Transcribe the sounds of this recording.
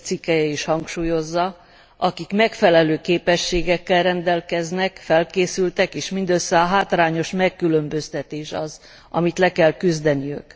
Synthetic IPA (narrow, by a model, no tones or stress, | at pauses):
t̪sikːɛjɛiʃhɒŋkʃuːjo̞zːɒ | ɒkikmɛkfɛlɛløːkeːpɛʃːeːɡɛkːɛlrɛnd̪ɛlkɛznɛkfɛlkeːsylt̪ɛkeːʃmind̪øsːɛɒɦaːt̪raːɲo̞ʃmɛkːylø̞mbø̞st̪ɛt̪eːʃɒz | ɒ̰mit̪lɛkɛlkyzd̪ɛniø̰k